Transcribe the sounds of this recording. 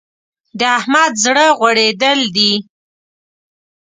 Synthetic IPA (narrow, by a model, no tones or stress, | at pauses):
d̪əahmad̪zɽəɣwaɽed̪əld̪i